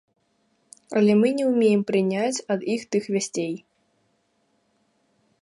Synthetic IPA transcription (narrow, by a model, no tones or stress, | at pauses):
ɐlʲɛmɨnʲɛwmʲejɛmpɾɨnʲat͡sʲɐd̪ixt̪ɨxvʲasʲt͡sʲej